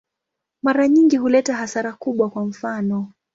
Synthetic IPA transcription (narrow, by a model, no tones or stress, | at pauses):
maɾaɲiŋɡiɦulɛtaɦasaɾakuɓwakwam̩fanɔ